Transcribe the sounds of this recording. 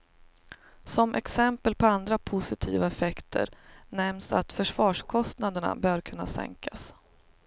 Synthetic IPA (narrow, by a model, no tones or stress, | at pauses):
sɔmʔɛ̰ksɛmpəlpʰɔand̪ɾapʰʊsɪt̪ʰiːvaɛfɛkt̪ʰə̰ɾnɛmsa̰t̪fœʂvɑːʂkʰɔst̪nad̪əɳa̰bœːɾkʰɵnːa̰sɛ̰ŋkʰas